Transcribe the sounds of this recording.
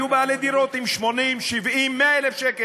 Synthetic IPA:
jubaaled̪iɾot̪imʃmonimʃivʔimːeaelefʃeke

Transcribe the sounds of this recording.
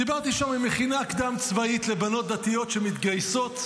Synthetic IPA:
dibaʁt̪iʃamimeχinaːkd̪amt͡svait̪le̞bano̞t̪̚d̪at̪ijo̞tʃe̞mit̪ɡajso̞t̪

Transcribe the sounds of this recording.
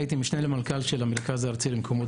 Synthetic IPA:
jt̪imiʃnelemalkalʃelameʁkazaːʁt͡silimkʰomo

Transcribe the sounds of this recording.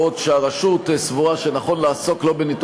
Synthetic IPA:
otʃeaʁaʃutsvuʁaʃenaχo̞nlaːso̞klo̞benit̪

